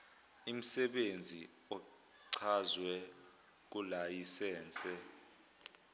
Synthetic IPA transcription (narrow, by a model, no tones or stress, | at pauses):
im̩sɛɓend͡zʱi | ɔ | ǀʰazwɛ | k̬ulajisɛːnt͡sʼɛ